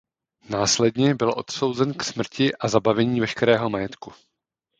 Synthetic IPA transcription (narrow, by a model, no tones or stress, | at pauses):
naːslɛdɲɛbɪlʔo̞̰t̪so̞wzɛnksmr̩cɪʔazabavɛɲiːvɛʃkɛɾɛːɦo̞majɛt̪ku